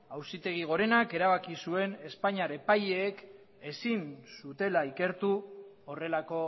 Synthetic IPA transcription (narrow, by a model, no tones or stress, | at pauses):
awsit̪e̞ɣ̞iɣ̞o̞ɾe̞nake̞ɾaβ̞akisue̞ne̞spaɲaɾepaʎe̞ːk | e̞sinsut̪e̞laike̞ɾt̪u | ore̞lako̞